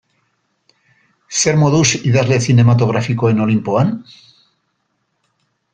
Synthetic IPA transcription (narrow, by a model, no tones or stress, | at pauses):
seɾmoðusiðazleθine̞mat̪oɣ̞ɾafikoenolimpoan